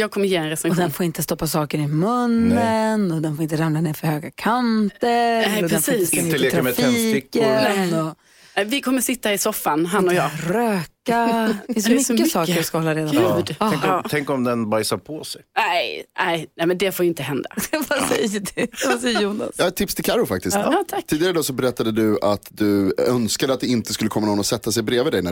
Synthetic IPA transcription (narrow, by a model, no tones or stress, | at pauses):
jɑːɡ̚kʰɔmːəɾjeːɛnɾɛst̪ɾɛɔɧd̪ɛnfoːɾɪnt̪əst̪ɔpːasɑːkəɾɪmɵnːənɔd̪ɛnfoːɾɪnt̪əɾamlanɛfœɾhøːɡakʰantt̪əɾɔdɛnːslːet̪ʰɾamɛtfʰɛiːɪkːənɔ | nɛvɪkʰɔmːəɾsɪt̪ːaɾɪsɔfːanɦanːɔjɑːɾøːkaɪsɛsɔmsɔːaskahɔlːaɾeːd̪ʉɛŋkɑːt̪ʰɛŋkɔmd̪ɛnbajsapʰɔsɛjnɛɪnɛjnɛmɛnd̪ɛfoːɾɪnt̪əɦɛnd̪avasɛjədɛvasɛjːəjuːna̰sjɑːt̪ʰːɪpst̪ʰɪlkʰaɾʊfak̚t̪ɪsɑːt̪ʰat̪ʰiːd̪ɪɡaɾəd̪ɑːsɔbɛɾɛt̪ːad̪əd̪ɵat̪d̪ɵœnskad̪əat̪̚d̪ɛɪnt̪əskɵlːəkʰɔmːanɔnɔsɛt̪ːasɛjbɾeːvɪd̪ɛjnæ